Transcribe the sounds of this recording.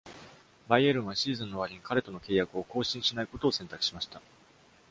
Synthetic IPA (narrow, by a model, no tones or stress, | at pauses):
baieɾɯ̟̃ɰ̃βaɕiːzɨ̃nːo̞β̞aɾʲiɲikaɾet̪o̞no̞ke̞ːjakɯ̟o̞ko̞ːɕĩɰ̃ɕinaiko̞t̪o̞ːsẽ̞nt̪akɯ̟̥ɕimaɕi̥t̪a